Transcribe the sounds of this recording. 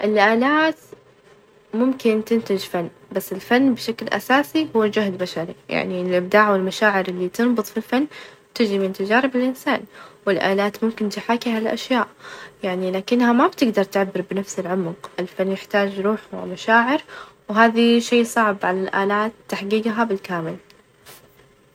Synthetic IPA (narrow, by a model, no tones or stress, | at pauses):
ʔɪlʔaːlaːt̪ | mʊmkɪnt̪ɪnt̪ɪd͡ʒfanː | basːɪlfanːbʃaklʔa̰saːsihʊwːd͡ʒʊhd̪baʃaɾija̰ʕniɪlʔɪb̚d̪aːʕwɪlmaʃaːʕɪɾʔɪlːit̪ɨnbɨt̪ˤfilfanːbt̪ɪd͡ʒimɪnt̪ad͡ʒaːɾɪbɪlʔɪnsaːnwɪlʔaːlaːt̪mʊmkɪnt̪ɪħaːkihalʔa̰ʃjaːʔjaʕnilaːkɪnːhamabt̪ɪɡd̪ɑɾˤt̪ɪʕabːɪɾbnafsɪlʕʊmqʔɪlfanːjɪħt̪aːd͡ʒjɾuːħamaʃaːʕɪɾwɦaːðiʃeːsˤɑʕbʕalalʔaːlaːt̪ːaħɡiːɡɦabɪlkaːmɪl